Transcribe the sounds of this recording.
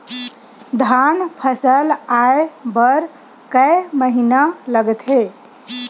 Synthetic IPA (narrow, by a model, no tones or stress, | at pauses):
d̪ʱanpʰəsəlaebəɾ | kəeməɦinaləɡət̪ɦe